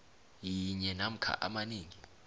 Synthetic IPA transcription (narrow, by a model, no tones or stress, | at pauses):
jiɲɛnam̩kʰa̰ʔamaniːŋi